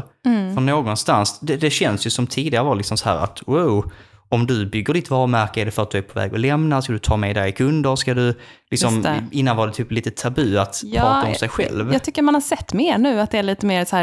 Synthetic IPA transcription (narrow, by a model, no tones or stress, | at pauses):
fɔnːoːɡɔnst̪ansd̪ɛd̪ɛɕɛnsjɵsɔmt̪ʰiːd̪ɪɡaɾəvɑːlɪksɔmsɔhæ̰ːɾa̰t̪waʊɔmd̪ɵbʏɡːəɖɪt̪vɑːɾəmæɾkəɛɖɛfœɾat̪̚d̪ɵæɾpʰɔvɛ̰ːɡɔlɛmnaskad̪ɵt̪ʰɑːmɛːd̪ɛjkʰɵnd̪əɾskad̪ɵ | lɪksɔmɪnːanvɑːdɛt̪ʰyːpliːt̪ət̪ʰabʉːat̪pʰɾɾɑːaɔmsɛjɧɛ̰lvɑːt̪ʏkːəɾmanhasɛt̪ːmeːɳʉ̟ːat̪̚d̪ɛæɭiːt̪əmeːɾsæː